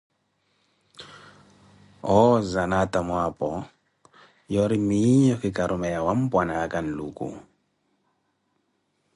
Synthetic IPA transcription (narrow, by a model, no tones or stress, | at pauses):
ɔzanatamwapɔ | jɔɾimiɲɔkikaɾumɛjawam̩pwanakan̩lukʼṵ